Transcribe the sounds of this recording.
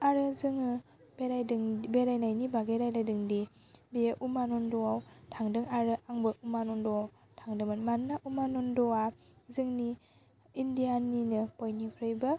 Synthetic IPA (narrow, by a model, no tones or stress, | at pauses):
aɾɯzɯŋɯ | beɾajdŋbeɾajnajnibaɡeɾajlajdɯŋdi | beʔumanɔndɔwawtʰaŋdɯŋaɾɯʔaŋbɯʔumanɔndɔaw | tʰaŋdɯmanmanːaʔumanɔndɔwa | zɯŋni | indijaninɯpɔjnikʰɾɯjbɯ